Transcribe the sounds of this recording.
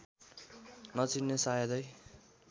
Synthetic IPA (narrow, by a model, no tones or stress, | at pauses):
nʌt͡sinːesajʌd̪ʌj